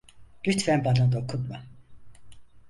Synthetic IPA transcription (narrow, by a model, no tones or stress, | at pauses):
ɟ̥yt̪fænbanad̪okʰut̪ma